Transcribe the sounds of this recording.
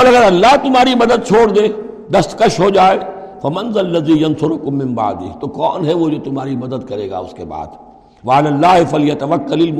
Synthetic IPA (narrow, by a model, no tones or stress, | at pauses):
oːlɐɡəɾɐlːaɦt̪ʊmɦaːɾimɐd̪əd̪̚t͡ʃʰoːɽd̪eː | d̪ɐst̪kɐʃɦoːd͡ʒaːe | fɐmɐ̃nzlːɐziːjɐnsʊɾʊkʊmːɪ̃mba̰ʕd̪ḭːt̪okɔːnɦɛʋod͡ʒoːt̪ʊmɦaːɾimɐd̪əd̪̚kɐɾḛːɡa̰ːʊ̰skeba̰ːd̪ | ʋɐalaːlːaːɦɪfɐljɐt̪ɐʋɐkːɐlɪlm